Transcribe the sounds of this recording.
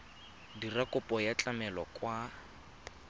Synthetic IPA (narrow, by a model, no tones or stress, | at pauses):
dirakʼʊpʼɔjat͡ɬʼamɛlɔkʼwa